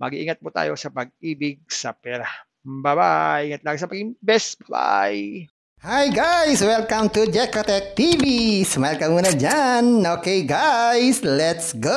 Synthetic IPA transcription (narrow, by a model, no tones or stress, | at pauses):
ma̰ɡiḭŋət̪̚put̪a̰josapaɡ̚ibɪɡ̚sapɛlah | baba̰jiŋət̪̚laɡisapaɡibɛsbaba̰j | hajɡajswɛlkamt̪ud͡ʒɛkat̪ɛk̚t̪ivisəmajlkamunad͡ʒanokeɡajslɛt̪sɡo